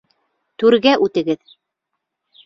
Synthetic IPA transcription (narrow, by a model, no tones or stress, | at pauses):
t̪ʉɾɡæʔʉt̪ɘ̆ɡɘð